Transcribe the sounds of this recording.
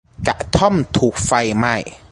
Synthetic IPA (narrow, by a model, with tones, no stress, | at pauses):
ka̰˨˩ʔt̪ʰɔ˥˩mt̪ʰuː˨˩k̚fa˧jma˥˩j